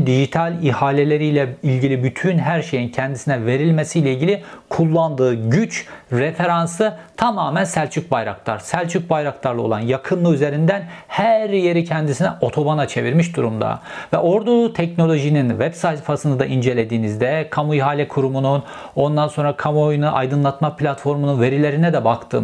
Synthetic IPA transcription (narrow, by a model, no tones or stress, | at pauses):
d̪iʒit̪ʰalʲihaːlʲelʲe̞ɾijlʲɛilʲɟilʲibyt̪ʰynɦæɾʃe̞jincʰɛnd̪isinɛve̞ɾilʲmesijlʲɛilʲɟilʲikʰulˠːand̪ɯːɟyt͡ʃɾefe̞ɾansɯt̪ʰamaːmænsælʲt͡ʃʰyc̚bajɾa̰k̚t̪ʰa̰ɾ̥sælʲt͡ʃʰyc̚bajɾakt̪ʰˠaɾlˠɯolˠanjakʰɯnlˠɯyze̞ɾind̪ænhæɾje̞ɾicʰɛnd̪isinɛʔo̞t̪ʰo̞banat͡ʃʰe̞viɾmiʃd̪uɾumd̪a̰vɛʔo̞ɾd̪ut̪ʰɛcno̞lʲo̞ʒininvɛbsajt̪fasɯnɯd̪aʔind͡ʒe̞lʲe̞d̪iːnizd̪ɛkʰamujɦaːlʲɛkʰuɾumunun | o̞nd̪anso̞nɾakʰamojnuʔa̰jd̪ɯnlˠat̪maplʲat̪fo̞ɾmununve̞ɾilʲe̞ɾinɛd̪ɛbakt̪ʰɯ̰ːm